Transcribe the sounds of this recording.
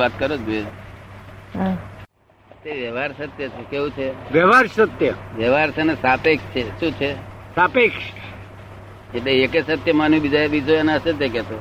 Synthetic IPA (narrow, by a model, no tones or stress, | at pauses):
at̪kəɾot͡ʃbe | ət̪jəʋjəʋaɾsət̪jət͡ʃʰekeũt͡ʃʰeʋjəʋaɾsət̪jəʋjəʋaɾt͡ʃʰenesapekt͡ʃʰeʃũt͡ʃʰesapekʃ | eʈleekesət̪jəmanũbid͡ʒaebid͡ʒoeneəʃet̪ek̬ɛt̪o